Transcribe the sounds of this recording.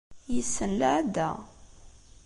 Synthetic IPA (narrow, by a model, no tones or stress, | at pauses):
jəsːənləʕd̪ːæ